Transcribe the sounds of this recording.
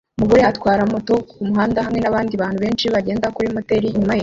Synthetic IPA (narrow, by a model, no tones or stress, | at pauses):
muɡojatwaːɾamoto̞umuɦaːndaɦamŋe̞naβaːndiβaːn̥huβe̞ːnʃiβaɟe̞ːndakuɾimoteɾiɲumaje